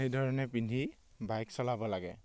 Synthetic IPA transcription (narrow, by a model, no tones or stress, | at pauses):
ejdʱɔɹɔnɛpindʱi | bajksɔlabɔlaɡɛ̰